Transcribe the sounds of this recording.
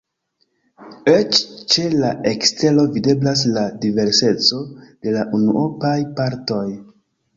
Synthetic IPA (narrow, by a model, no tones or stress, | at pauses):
et͡ʃt͡ʃe̞laʔekste̞lo̞vide̞blas̬ladive̞ɾse̞t͡so̞d̥e̞laʔunuʔopajpaɾto̞j